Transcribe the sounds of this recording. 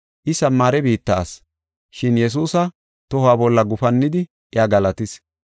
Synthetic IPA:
ʔɪsɐmːaːɾɛbiːt̪ːaːs | ʃɪnjɛs̬uːsɐ | t̪ɔhaːbɔlːɐɡʊfɐnːɪd̪ɪ | ʔɪjaːɡɐlɐt̪ɪs

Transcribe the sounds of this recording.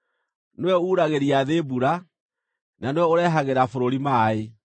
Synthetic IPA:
newɛuːɾaɣeɾiaðebuɾa | nanewɛoɾɛːɦaɣeɾafoɾoɾimaːe

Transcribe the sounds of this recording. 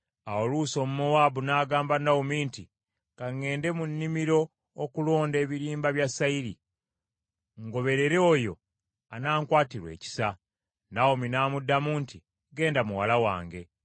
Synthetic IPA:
aoluːso̞ːmumowabunaːɡaːmbanaumiːnti | kaŋːe̞ːnde̞munːimiɾo̞ː | kulo̞ːnde̞ːβiɾiːmbaβjasaiɾḭ | ŋɡo̞βe̞ɾe̞ɾeojo̞̰ | anaːŋkwaːtiɾwe̞̰ːci̥sa | naominaːmudːamuːnti | ɡe̞ːndamuwalawa̰ːŋɡe̞

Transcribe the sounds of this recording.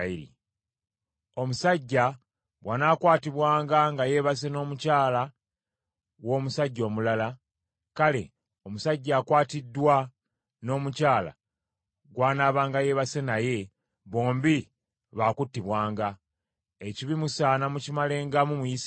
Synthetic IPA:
iɾḭ | o̞musaɟːa | βwanaːkwaːtiβwaːŋɡaŋɡaje̞βas̬e̞no̞ːmucaːla | wo̞ːmusaɟːo̞ːmulala | kale̞̰ | o̞musaɟːaːkwaːtidːwa | no̞ːmucaːla̰ | ɡwaːnaːβaːŋɡaje̞ːβase̞naje̞ | βo̞ːmbi | βaːkutːiβwaːŋɡa | eciβimusaːnamucimale̞ːŋɡamumujis

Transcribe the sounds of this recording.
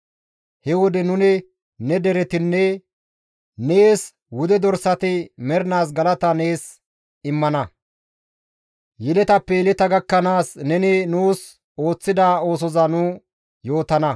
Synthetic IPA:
hɛwɔd̪ɛnʊnɪ | nɛd̪ɛɾɛt̪ɪnːɛ | neːs | wʊd̪ɛd̪ɔɾsɐt̪ɪmɛɾɪnaːs̬ɡɐlɐt̪ɐne̞ːs | ɪmːɐnɐ | jɪlɛt̪ɐpːɛjlɛt̪ɐɡɐkːɐnaːsnɛnɪnuːs | o̞ːt͡sːɪd̪aːo̞ːs̬ɔzɐnʊ | jo̞ːt̪ɐnɐ

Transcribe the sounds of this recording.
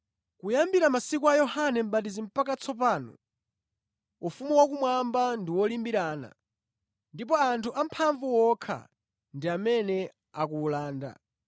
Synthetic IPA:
kujambiɾamasikuajɔhanɛm̩bat̬izim̩pakat͡sʰɔp̬aːnɔ̰ | ufumuwakumwambandiwɔlimbiɾaːna̰ | ndip̬ɔantʰuʔam̩pʰaɱvuwɔkʰa̰ | ndiamɛnɛ | ak̬uːlaːnda̰

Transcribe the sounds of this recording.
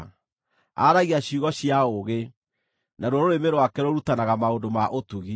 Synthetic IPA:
a̰ɾaɣiaɕuɣɔɕiaoɣe | naɾɔɾoɾemeɾowakɛɾoɾutanaɣamaondomaʔotuɣi

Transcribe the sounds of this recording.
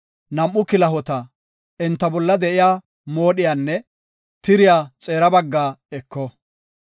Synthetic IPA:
nɐmʔːʊkɪlɐɦɔt̪ɐ | ɛnt̪ːɐbɔlːɐd̪ɛʔɪjaː | mo̞ːɗɪjaːnːɛ | t̪ɪɾɪjaːt͡sʼe̞ːɾɐbɐɡːaːɛkːɔ

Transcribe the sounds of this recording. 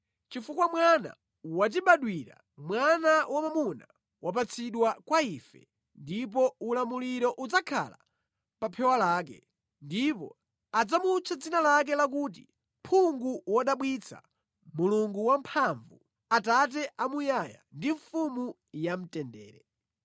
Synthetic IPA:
t͡ʃifukwamwana̰ | wat̬iɓaɗwiɾa̰ | mwanawamamuna | wʔap̬at͡sʰiɗwakwaifɛ̰ | ndip̬ɔulamuliɾɔʔud͡zakʰa̰la̰ | papʰɛwalaːk̬ɛ̰ | ndipɔ̰ | ad͡zamut͡sʰad͡zinalak̬ɛlak̬uːt̬ḭ | mpʰuŋɡuwaɗaɓwit͡sʰa̰ | muluŋɡuwampʰaɱvu | atat̬ɛʔamujaja̰ndiɱfumu | jam̩tɛndɛ̰ːɾɛ

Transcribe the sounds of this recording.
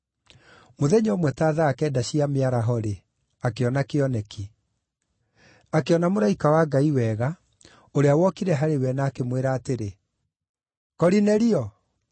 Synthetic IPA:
moðɛɲomwɛtaːðaːkɛːdaɕiameaɾaɦɔɾe | akeɔnakeɔnɛki | akeɔnamoɾaikawaɡaiwɛɣa | oɾeawɔkiɾɛɦaɾewɛnaːkemweɾaːteɾe | kɔɾinɛɾiɔ

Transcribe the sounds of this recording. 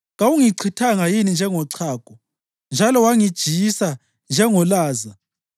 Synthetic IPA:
ɣawuŋiǀʰitʰaŋajinind͡ʒʱɛŋɔǀʰaːkʼɔ | nd͡ʒʱalɔwaŋid̥ʒ̥ʱijisa | nd͡ʒʱɛŋɔlaːza

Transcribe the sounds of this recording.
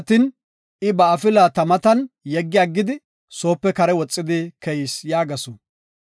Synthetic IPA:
t̪ːin | ɪbɐːfɪlaːt̪ɐmɐt̪ɐnjɛɡːɪaɡːɪd̪ɪ | so̞ːpːɛkɐɾɛwɔt͡sʼːɪd̪ɪkɛjɪsjaːɡɐsʊ

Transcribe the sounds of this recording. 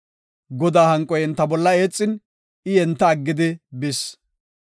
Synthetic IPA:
ɡɔd̪aːhɐŋkʼːɔjɛnt̪ːɐbɔlːɐeːt͡sʼːɪn | ɪɛnt̪ːɐːɡːɪd̪ɪbɪs

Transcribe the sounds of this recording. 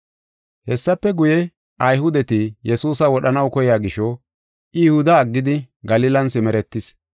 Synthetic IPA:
hɛsːɐpːɛɡʊjɛ | ʔɐjɦʊd̪ɛt̪ɪjɛsuːsɐwɔɗɐnɐwkɔjaːɡɪʃɔ | ɪjʊhʊd̪ɐːɡːɪd̪ɪ | ɡɐliːlɐnsɪmɛɾɛt̪ːɪs

